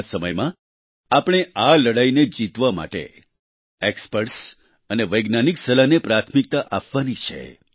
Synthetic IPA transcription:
səməjmã | apɽ̃ealəɽained͡ʒit̪ʋama̰ʈḛ | ekspəɾʈs | əneʋəjɡnaniksəlanepɾat̪ʰmik̚t̪aʔapʋanit͡ʃʰḛ

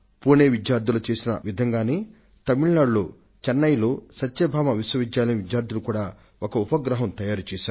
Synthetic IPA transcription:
puːneːʋid̪jaːɾd̪ʱulɐt͡ʃe̞ːsinɐ̰ʋid̪ʱɐŋɡaːneː | t̪ɐmiɭnaːɽlo̰ː | t͡ʃɐnːɐjloːsɐtʃeːbʱaːmɐʋiswɐʋid̪jaːlɐniʋidjaːɾd̪ʱulukuːɽaː | okɐupɐɡɾɐɦɐmt̪ɐjaːɾut͡ʃeːʃaːɾu

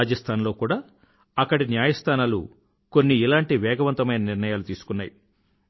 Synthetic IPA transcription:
d͡ʒɐst̪ʰaːnlo̞ːkuːɽaː | ɐkːɐɽinjaːjɐst̪ʰaːnaːlṵ | ko̞nːiːlaːɳʈiʋɛːɡɐʋɐnt̪ɐmɐjnɐniɾnɐjaːlut̪iːsu̥kunːa̰ːji

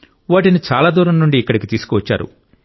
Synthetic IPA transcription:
ʋaːʈinit͡ʃaːlaːd̪uːɾɐmnuɳɖiːkːɐɽikit̪iːsu̥kuʋɐt͡ʃːa̰ːɾṵ

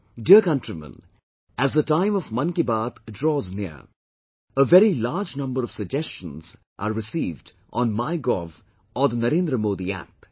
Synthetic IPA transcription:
ɖiəkʌ̃nʈɾimə̰̃n | æzd̪əʈãɪ̃mɔʋmɐ̃nkibaːt̪dɾɔːznɪə̰ɾ | əʋɛɾilaːɾd͡ʒnʌ̃mbəɾɔʋ̥səɡ̚d͡ʒɛst͡ʃə̃nz̥ | ʔa̰ːɾːɪsiːvɖ | ʔɔ̃ːnmaɪɡɔv | ɔɾd̪ənɐɾẽːnd̪ɾəmoːd̪iæ̰p

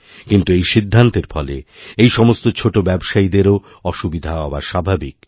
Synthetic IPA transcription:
kint̪uejʃid̪ʱːant̪eɾfɔleejʃɔmost̪ot͡ɕʰoʈobɛbʃaid̪eɾo | ɔʃubid̪ʱaabaʃabʱabik

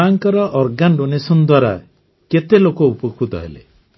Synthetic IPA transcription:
aŋkɔɾɔʔɔɾɡanɖonesɔnd̪waɾa̰ | ket̪elokoupɔkʰut̪ɔ̰ɦḛlḛ

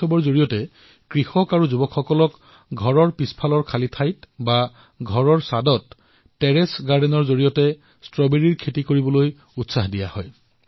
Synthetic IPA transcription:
ɔbɔɹzoɹijɔtɛ | kɹixɔkaɹuzubɔkʰxɔkɔlɔk | ɡʱɔɹɔɹpispʰalɔɹkʰalitʰajtba | ɡʱɔɹɔɹsadɔtː | ɛɹesɡaɹdeɛnɔɹzoɹijɔtɛ | stɹɔbeɹiɹkʰetikoɹibɔloj | utsaxdijahɔj

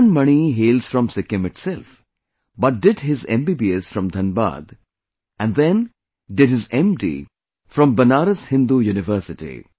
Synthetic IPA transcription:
nmʌniɦeːlz̥fɾɔ̃msɪkɪ̃mɪʈsɛlf | bʌʈ̚ɖɪɖɦɪzḛ̃mbibiesfɾɔ̃md̪ʱɐ̃nba̰ːd̪ | ʔæ̃nɖd̪ɛ̃n | ɖɪɖhɪzɛ̃mʈḭ | fɾɔ̃mbənaːɾəshɪ̃nd̪ujuːnɪʋəɾsɪʈḭ

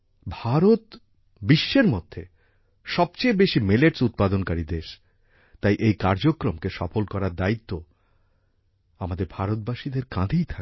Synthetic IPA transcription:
bʱaɾot̪ | biʃːeɾmod̪ʱːe | ʃɔb̚t͡ɕejbeʃimeleʈsut̪̚pad̪onkaɾid̪eʃ | t̪ajʔejkaɾd͡ʑokɾomkeʃɔfolkɔɾaɾd̪ait̪ːo | amad̪eɾbʱaɾot̪̚baʃid̪eɾkãd̪ʱijt̪ʰa

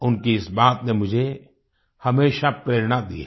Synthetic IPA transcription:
ʊnkiɪsbaːt̪nemʊd͡ʒʱe | hɐmeːʃapɾeːɾnad̪ie

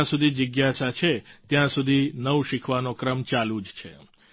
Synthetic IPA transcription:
ãsud̪ʱid͡ʒəɡjasat͡ʃʰet̪jãsud̪ʱinəwʃikʰʋanokɾəmt͡ʃalũd͡ʒt͡ʃʰḛ

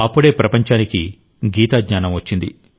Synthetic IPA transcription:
ɐpːuɽe̞ːpɾɐpɐɲt͡ʃaːniki | ɡiːt̪aːd̪ɲaːnɐmʋɐt͡ʃːind̪i

